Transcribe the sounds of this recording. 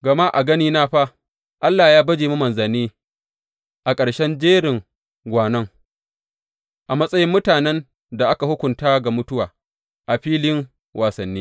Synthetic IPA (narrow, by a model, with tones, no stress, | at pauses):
ɡɐ˨ma˦ʔa˨ɡɐ˦niː˦naː˦ɸa˦ | ʔa˦lːaː˨jaː˦bɐ˦d͡ʒeː˨mu˦mɐ˨nzɐ˨nːiː˦ | ʔa˨kʼɐ˨ɽʃɛ˦nd͡ʒeː˦ɽɪ˨ŋ | ɡʷaː˨nɐ˦ŋ | ʔa˨mɐ˦sʼɐ˦jɪ˦mːʊ˦taː˨nɛ˦n | da˨ʔa˦ka˨hʊ˦kʷʊ˨ntaː˦ɡa˨mʊ˦tʊ˦waː˨ | ʔa˨ɸiː˦lɪ˦ŋ | wʔaː˨sɐ˨nːiː˦